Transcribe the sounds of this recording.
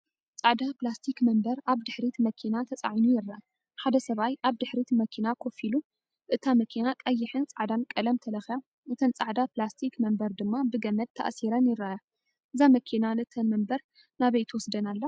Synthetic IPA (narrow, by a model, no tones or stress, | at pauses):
t͡sʼaʕd̪aplast̪ʰikmɐmbɐɾʔaβd̪ɨħɾit̪mɐkʰinat̪ʰɐt͡sʼa̰ʕinujɪrːaʔ | ħad̪ɐsɐβajʔaβd̪ɨħɾit̪mɐkʰinakʰofilu | ʔɨt̪ʰamɐkʰinakʼɐjːɪħɨnt͡sʼaʕd̪ankʼɐlɐmt̪ʰɐlɐxja | ʔɨt̪ʰɐnt͡sʼaʕd̪aplast̪ʰikmɐmbɐɾd̪ɨmːabɨɡɐmɐd̪̚t̪ʰːa̰ʔsiɾɐnjɪɾːaʔa | ʔɨzamɐkʰinanɨt̪ʰɐnmɐmbɐɾ | naβɐjt̪ʰwɔsd̪ɐnalːɐ